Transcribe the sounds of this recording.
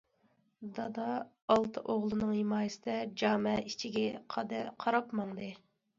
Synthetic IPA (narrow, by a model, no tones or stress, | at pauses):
d̪ɑd̪ɑ | ɑlˠt̪ʰɨʔoʁlˠɨnɨŋhimɑːjɪsɪd̪ɛd͡ʒɑːmɛit͡ʃʰiɡʲɛqʰɑd̪ɨqʰɑɾɑpmɑŋd̪ɨ